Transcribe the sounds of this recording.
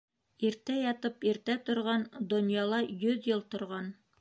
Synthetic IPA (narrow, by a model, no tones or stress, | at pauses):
iɾt̪æjɑt̪ɤpiɾt̪æt̪ŏɾʁɑnd̪ŏnjɑlˠɑjɵðjɤlˠt̪ŏɾʁɑn